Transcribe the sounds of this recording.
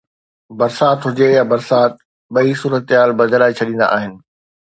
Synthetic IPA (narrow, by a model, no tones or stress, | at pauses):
bɐɾsaːt̪ɦʊd͡ʑejabɐɾsaːt̪̚ | ɓɐisuːɾət̪ɦaːlbɐd͡ʑɾaːet͡ɕʰɐɗĩːn̆d̪a̰ʔa̰ːɦɪnɪ̆